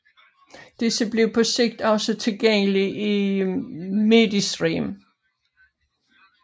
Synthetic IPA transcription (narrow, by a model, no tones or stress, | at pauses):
d̥esəb̥le̝ʊpʰɒ̽se̝ɡ̥̚d̥ɒ̽sət͡sʰe̝lɡ̥eŋ̰əliʔi | med̥isd̥ʁḭːm